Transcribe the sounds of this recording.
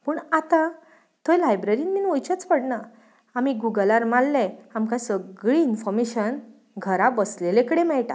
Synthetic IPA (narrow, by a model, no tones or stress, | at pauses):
pəːɳat̪ã | t̪ʰojlajbɾeɾiːnminojt͡ɕət͡spəɽna | amiɡuɡəlaɾmalːɛ̃amkãsəɡɭiːnfɔɾmeɕən | ɡʱəɾabəslelekəɽemɛɭʈa̰